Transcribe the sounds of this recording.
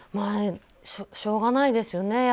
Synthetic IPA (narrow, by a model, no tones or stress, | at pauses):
ma | ɕoɕo̞ːɡanaid̪e̞sɨjo̞ne̞j